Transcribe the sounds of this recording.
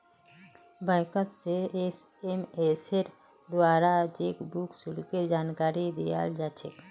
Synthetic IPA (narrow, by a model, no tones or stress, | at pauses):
bə̃ɪkət̪sees | emeseɾ | d̪waːɾad͡ʒekbuksulkeɾd͡ʒaːnkaːɾid̪ija̰ld͡ʒaːt͡ʃʰek